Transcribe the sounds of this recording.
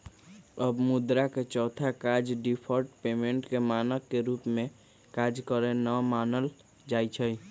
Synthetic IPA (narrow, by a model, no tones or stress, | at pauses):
əbmʊd̪ɾaket͡ʃɔːt̪ʰakaːd͡ʒɖipʰɔɾʈpeːmẽɳʈkemaːnəkːeɾuːpmẽ | kaːd͡ʒkəɾenəmaːnəl | d͡ʒaːit͡ʃʰəi